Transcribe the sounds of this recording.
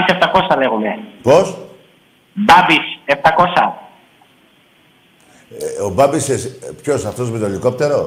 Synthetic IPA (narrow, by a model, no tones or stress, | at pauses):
iseft̪ɐko̞sɐle̞ɣume̞pos | bɐbiseft̪ɐko̞sɐ | obɐbisespço̞sɐft̪o̞zmet̪oliko̞p̚t̪e̞ɾo̞